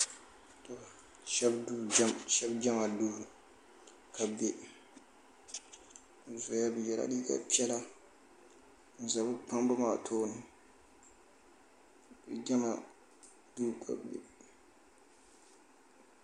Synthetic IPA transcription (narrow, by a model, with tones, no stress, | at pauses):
ta˨a˨ | ʃɛ˦bu˦mʃɛ˦bd͡ʒa˦ma˨doː˦˨ | kʰa˨be˦˨ | zo˨ja˦bɨ˨jɛ˨la̰˨di˦ka̰˨pi˦ɛ˦la˦ | n̩˨za˨bɨ˦pa˦mbʊ˦maː˨tʰoː˦nɨ˦ | bɨ˨d͡ʒa˦ma̰˨ | duː˦kʰa̰˨bḛ˨